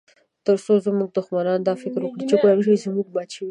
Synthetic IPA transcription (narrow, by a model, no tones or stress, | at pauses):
t̪əɾsozəmuɡ̚d̪ʊxmanɑnd̪ɑfɪkɾwəkɽet͡ʃekolanʃ̬aizəmuɡ̚bɑʃawi